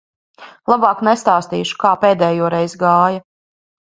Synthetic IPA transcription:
lˠabɑːknɛst̪aːst̪ḭːʃu̥kaːpeːd̪ɛːjuɔɾɛjzɡaːja

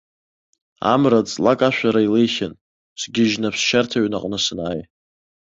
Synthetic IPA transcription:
a̰mrat͡sʼlakʼaʃᶣʷaɾailejχʲɪn | sʰɡʲɪʒnapʰsʃartʰaɥnaqʼnɨsɨnaːj

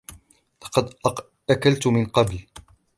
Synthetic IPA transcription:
lɑqɑd̪ | ʔakalt̪mɪnqɑbl

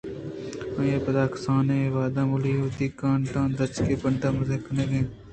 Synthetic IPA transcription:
ãjeːpəd̪aːksãːnẽːʋaːd̪ãːmʊliːoːt̪iːkãːɳʈãːnɾɐt͡ʃkeːpəɳʈãːmɐzeːkɐnẽːɡẽː

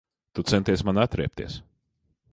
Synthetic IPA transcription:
t̪ut̪sɛnt̪iɛsmanat̪ɾɛɛp̚t̪ḭɛs

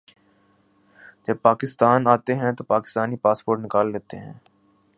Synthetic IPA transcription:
d͡ʒəb̚paːkɪst̪aːnaːt̪eɦɛ̃t̪opaːkɪst̪aːnipaːspoːɾʈnɪkaːld̪eːt̪eɦɛ̰̃ː

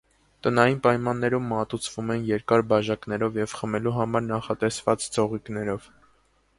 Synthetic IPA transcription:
t̪ənɑjinpɑjmɑnːɛɾumːɑt̪ut͡sʰvumɛnjɛɾkɑɾbɑʒɑknɛɾɔvjɛvχəmɛluɦɑmɑɾnɑχɑt̪ɛsvɑt͡sd͡zʰɔʁiknɛɾɔv

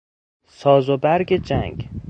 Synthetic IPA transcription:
sɒːzobæɾɡed͡ʒæ̰ŋɡ

